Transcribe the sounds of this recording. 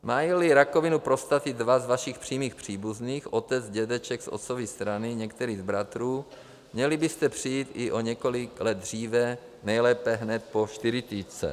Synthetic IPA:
maːjilɪɾako̞vɪnupɾo̞st̪at̪ɪdvazvaʃɪxpr̝̥iːmiːxpr̥iːbuzniːxʔo̞t̪ɛd͡zɟɛdɛt͡ʃɛɡsʔo̰t̪sovɪst̪ɾanɪɲɛkt̪ɛɾiːzbɾat̪ɾuː | mɲɛlɪbɪst̪ɛpr̝̥ijiːt̪ɪʔo̞ɲɛko̞lɪklɛd̪̚dr̝iːvɛ | nɛjlɛːpɛɦnɛt̪̚po̞ʃt̪ɪɾɪt̪iːt͡sɛ̰

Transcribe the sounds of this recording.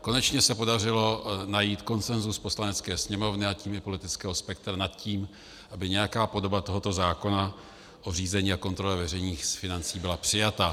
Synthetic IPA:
ko̞nɛt͡ʃɲɛsɛpo̞darɪlo̞najiːt̪ko̞nsɛnzuspo̞slanɛt͡skɛːsɲɛmo̞vnɪaciːmɪpo̞lɪt̪ɪt͡skɛːɦo̞spɛk̚t̪ɾanat̪ciːm | ʔabɪɲɛjakaːpo̞do̞bat̪o̞ɦo̞t̪o̞zaːko̞na | ʔo̞r̝iːzɛɲiːako̞nt̪ɾo̞lɛvɛrɛjɲiːxsfɪnant͡siːbɪlapr̝̥ɪjat̪a

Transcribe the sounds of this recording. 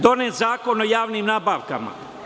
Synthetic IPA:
d̪o̞neːzaːko̞nojaːʋnimnaːbaʋka̰ma̰

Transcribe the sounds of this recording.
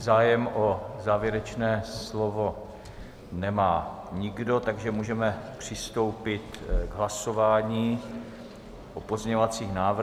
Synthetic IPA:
zaːjɛmʔozaːvjɛɾɛt͡ʃnɛːslovo̞ | nɛmaː | ɲɪɡdo̞t̪aɡʒɛmuːʒɛmɛpr̝̥ɪst̪o̞wpɪt̪ɡɦlaso̞vaːɲiː | ʔopozɲɛɲovat͡siːxnaːvɾ

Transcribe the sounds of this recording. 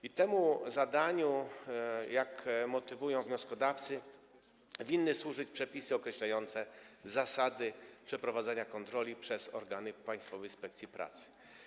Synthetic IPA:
it̪ɛmuzad̪aɲu | jakmɔt̪ɘvujɔ̃w̃vɲɔskɔd̪aft̪sɘ | vʲinːɘswuʐɘt͡ɕpʂɛpʲisɘɔkɾɛɕlajɔnt̪sɛzasad̪ɘpʂɛpɾɔvad̪zaɲakɔnt̪ɾɔlʲipʂɛz̥ɔ̰ɾɡanɘpaj̃st̪fɔvɛjspɛk̚t̪sʲjipɾʔa̰t̪sɘ̥

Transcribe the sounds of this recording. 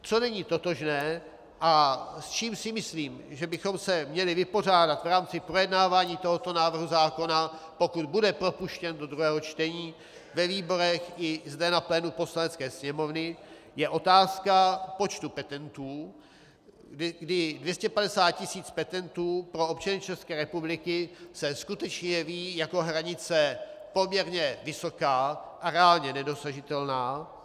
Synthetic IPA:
t͡so̞nɛɲiːt̪ot̪o̞ʒnɛː | ʔast͡ʃiːmsɪmɪsliːmʒɛbɪxo̞msɛmɲɛlɪvɪpo̞r̝aːdat̪vɾaːmt͡sɪpɾo̞jɛdnaːvaːɲiːt̪o̞ɦo̞t̪o̞naːvr̩ɦuzaːko̞napo̞kud̪budɛpɾo̞puʃcɛndo̞d̪ɾuɦɛːɦo̞t͡ʃt̪ɛɲiː | vɛviːbo̞ɾɛxʔɪzdɛnaplɛːnupo̞slanɛt͡skɛːsɲɛmo̞vnɪjɛʔo̞t̪aːskapo̞t͡ʃt̪upɛt̪ɛnt̪uː | ɡdɪdvjɛscɛpadɛsaːt̪̚cɪsiːt͡spɛt̪ɛnt̪uːpɾo̞ʔopt͡ʃanɪt͡ʃɛskɛːɾɛpublɪkɪsɛskut̪ɛt͡ʃɲɛɛviːjako̞ɦɾaɲɪt͡sɛpo̞mɲɛɾɲɛvɪso̞kaːʔaɾɛaːlɲɛnɛdo̞saʒɪt̪ɛlnaː

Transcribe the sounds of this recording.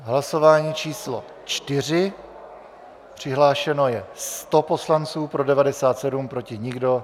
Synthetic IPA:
ɦlaso̞vaːɲiːt͡ʃiːslo̰ | t͡ʃt̪ɪr̝ɪ | pr̝̥ɪɦlaːʃɛno̞jɛst̪o̞po̞slant͡suːpɾo̞dɛvadɛsaːt̪sɛdumpɾo̞cɪɲɪɡdo̞

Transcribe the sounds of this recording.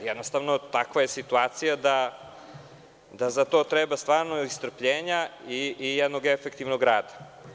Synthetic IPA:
jɛd̪nost̪avnot̪akʋaje̞sit̪uaːt̪sijad̪a | d̪azat̪o̞ːt̪ɾebast̪ʋaːɾnoist̪r̩pʎeːɲaiːjɛd̪noɡefekt̪ivnoɡɾaːd̪ḁ

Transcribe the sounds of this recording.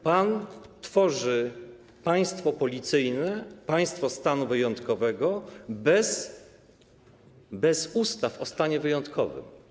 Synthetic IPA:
pant̪fɔʐɘ | paj̃st̪fɔpɔlʲit̪sɘjnɛpaj̃st̪fɔst̪anuvɘjɔnt̪kɔvɛɡɔbɛs | bɛzust̪afɔst̪aɲɛvɘjɔnt̪kʰɔvɘ̰m

